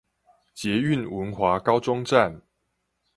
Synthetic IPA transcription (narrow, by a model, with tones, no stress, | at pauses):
t͡ɕjɛ˨˧˦y˥˨nwə˨˦nxwa˨˦kɑ˦ʊt͡sɔ˦ŋʈ͡ʂa˥˨n